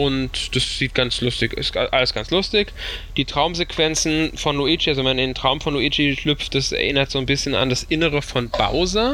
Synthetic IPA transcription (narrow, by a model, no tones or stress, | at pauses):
ʔʊntd̥asz̥iːt̚ɡ̥ant͡slʊstɪçɪsɡ̥aʔaləsɡ̥ant͡slʊstɪçd̥iːtʁ̥aʊmzekv̥ɛnt͡sn̩fɔnloiːt͡ʃialzomanɪntʁ̥aʊmfɔnloʔiːt͡ʃiʃlʏpp͡ft̚d̥asɛ̰ɐʔɪnɐtz̥oːnbɪsçəna̰ndasʔɪnəʁ̞əfɔnb̥a̰ʊzɐ